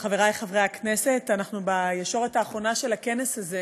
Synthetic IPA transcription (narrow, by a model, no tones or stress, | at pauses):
χaveʁajχavʁejaknese̞tanaχnubajeʃo̞ʁetaːχʁo̞naʃe̞lakenesaze